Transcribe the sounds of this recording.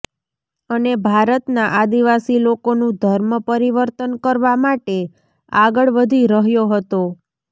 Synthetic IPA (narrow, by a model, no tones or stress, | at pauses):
ənebʱaɾət̪naʔad̪iʋasilokonũd̪ʱəɾməpəɾiʋəɾt̪ənkəɾʋamaʈe | aɡəɭʋəd̪ʱiɾəɦjoɦət̪o